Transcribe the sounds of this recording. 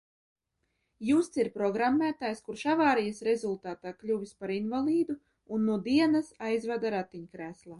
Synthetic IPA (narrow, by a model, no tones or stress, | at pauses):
just̪siɾpɾɔɡɾamːæːt̪aːjskuɾʃavaːɾijasɾezulˠt̪aːt̪aːklʲuvʲispaɾinvalˠiːd̪u | unːuɔd̪iɛnɐsajzvad̪aɾat̪ːiɲkɾæːslˠaː